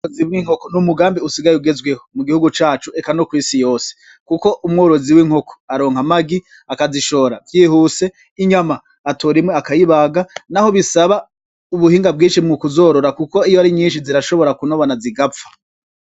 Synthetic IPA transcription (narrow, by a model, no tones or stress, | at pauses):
oziβwiŋ̥okonumuɡaːmbiusiɡajeuɡe̞zwehomuɡihuɡut͡ʃaːt͡ʃuekanokwiːsijo̞ːse̥ | kuko̞ʔumŋo̞ːɾo̞ziwiŋho̞kʰo̥aɾo̞ːŋ̥amaɡi | akaziʃo̞ːɾavjiːhuse̞ | iɲamaː | tʰoɾimweakajiβaɡanaho̞βisaβa | uβuhiːŋɡab̚ɡĩːnʃimŋukuzo̞ːɾo̞ɾakuko̞ijoaɾiɲiːnʃiziɾaʃo̞βo̞ɾakunoβanaziɡafḁ